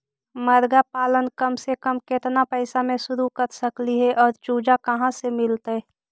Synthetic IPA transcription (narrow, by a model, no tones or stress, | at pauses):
məɾɡapaːlənkəmsekəmkɪt̪napɛɪsamẽsʊɾukəɾsəkliɦɛʔɔːɾt͡ʃuːd͡ʒakəɦãsemɪlt̪ɛ